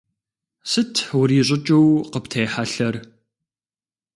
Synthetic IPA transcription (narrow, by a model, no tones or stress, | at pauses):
sɨtʰwʊɾiːɕʼɪt͡ʃʼɨwqəptʰeːħaɬɐr